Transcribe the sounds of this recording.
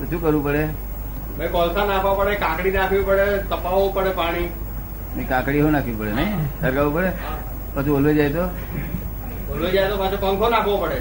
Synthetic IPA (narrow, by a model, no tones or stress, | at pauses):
ɾt͡ʃʰũkəɾʋũpəɽe | mẽkɔlsanakʰʋapəɽekãkɽinakʰʋipəɽet̪əpaʋopəɽepaɽ̃i | mẽkãkɽiɦõnakʰʋĩpəɽenəisəɾkaʋũpəɽe | pət͡ʃʰũbolʋed͡ʒajt̪o | bolʋed͡ʒajt̪opat͡ʃʰupə̃ŋkʰonakʰʋõpəɽe